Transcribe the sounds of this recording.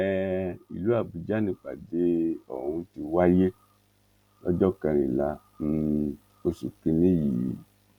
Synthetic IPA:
ɛ˦˨ḭ˨lu˨˦a˦˨bu˧d͡ʒa˦nĩ˧˨k͡pa̰˨de˨˦ɔ̰˨hũ˧ti˧wa˦je˦ | ɔ̰˦d͡ʒɔ˦kã˧ɾ̃ĩ˨la˨˧˦ | n̩˧˨ | o˧su˨ki˧nĩ˦jḭ˨˦

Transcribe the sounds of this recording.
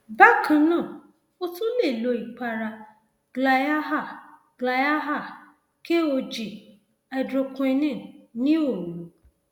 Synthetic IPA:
ba˦˨kʰã˧nã˦˨ | o˦tũ˦le˦˨lo˨˧i˨k͡pa˧ɾa˧ | ɡ̥la˧˨ja˦ɦa˦˨ | ɡ̥la˧˨ja˦ɦa˦˨ | ke˦o˧d͡ʒi˨ | ɛ˧dɾo˧kũ˧˦e˧nɛ̃˦˨nĩ˦o˦˨lo˨˦

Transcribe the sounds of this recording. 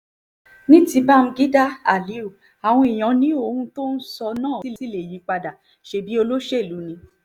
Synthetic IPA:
nĩ˦ti˧˦ba˦m̩˧ɡi˦da˦a̰˨li˨˦u˨ | a˨w̃ɔ̃˧i˨j̃ɔ̃˨nĩ˨˦o˧hũ˧to˦n̩˦sɔ˧nãː˦˨i˦si˦le˨ji˨˦k͡pa˧da˨ | ʃe˧bi˦o˧lo˦ʃe˦i˦˨lu˨˦nĩ˧

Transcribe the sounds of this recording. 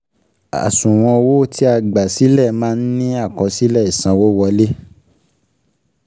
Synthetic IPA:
a̰˨sũ˨w̃ɔ̃˧wo˦˨tʰi˦a˧ɡ͡ba˨si˨˦lɛ˦˨mãː˦n̩˦nĩ˦a˦˨kɔ̃˨˧si˦lɛ˦˨i˨sã˧wo˦wɔ˧le˦

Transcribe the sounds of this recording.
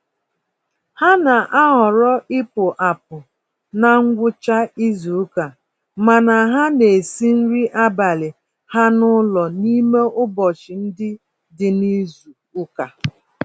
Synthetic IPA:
ha˦na˨ʔa˦ɦɔ˨ɾɔ˦ɪ˦pʊ˨ʔa˨p̚ʊ˨ | na˦ŋ̩˦ɡʷʊ˦t͡ʃa˦i˦zu˨u˦ka˨ | ma˨na˨ɦa˦ne˨si˦n̩˦ɾi˦ʔa˦ba˨lɪ˨ | ha˦nʊ˦lɔ˨ni˦me˦ʔʊ˦bɔ˨t͡ʃɪ˨n̩˦dɪ˦ | dɪ˨ni˦zu˨ | u˦ka˨

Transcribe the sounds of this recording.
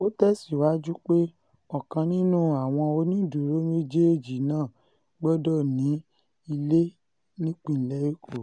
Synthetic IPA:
o˦tɛ˦si˨wa˨˦d͡ʒu˦k͡pe˦ | ɔ˨kã˧nĩ˦nũ˦˨a˨w̃ɔ̃˧o˧nĩ˦˨du˨ɾo˦me˦d͡ʒe˦e˦˨d͡ʒi˨nãː˦˨ | ɡ͡bɔ˦dɔ˦nĩ˨˦ | i˧le˦ | nĩ˦k͡pĩ˦˨lɛ˦i˦ko˦˨

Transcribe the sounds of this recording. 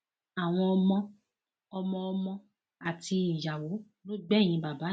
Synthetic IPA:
a˨w̃ɔ̃˧ɔ˧mɔ̃˧ | ɔ˧mɔ̃˧ɔ˧mɔ̃˧ | a˨ti˧ĩ˨ja˨wo˨˦ | lo˦ɡ͡bɛ̃˦˨ĩ˧ba˨ba˨˦

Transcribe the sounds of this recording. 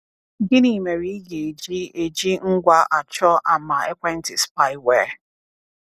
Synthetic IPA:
ɡɪ˦ni˨me˨ɾi˦i˦ɡe˨e˨d͡ʒi˦e˨d͡ʒi˦ŋ̩˦ɡʷa˦ʔa˨t͡ʃɔ˦ʔa˨ma˨e˦kʷe˦n̩˦tɪ˨spa˦ɪ˦we˨

